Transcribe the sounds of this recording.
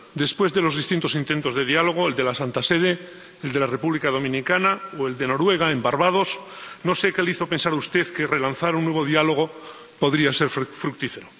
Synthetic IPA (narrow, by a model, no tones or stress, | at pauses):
d̪e̞spwe̞zðe̞lo̞zðist̪int̪o̞sint̪e̞nt̪o̞zðe̞ðialo̞ɣ̞oeld̪e̞lasant̪ase̞ð̞e̞ː | ld̪e̞lare̞puβlikaðo̞mĩnikanaoe̞ld̪e̞no̞ɾwe̞ɣ̞aembaɾβað̞o̞s | no̞sekeliθo̞pe̞nsaɾaust̪e̞ðkere̞lanθaɾunːweβ̞o̞ð̞ialo̞ɣ̞o̞ | po̞ðɾiase̞ɾffɾuk̚t̪ife̞ɾo